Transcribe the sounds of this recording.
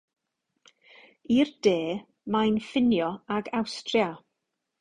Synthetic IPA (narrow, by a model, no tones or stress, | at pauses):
ird̥eː | majnfɪnjɔaɡawstrja